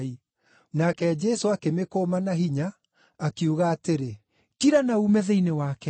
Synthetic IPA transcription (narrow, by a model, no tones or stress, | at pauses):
i | nakɛd͡ʒɛsoakemekomanaɦiɲaː | kiuɣaːteɾe | kiɾanaumɛðeinewakɛ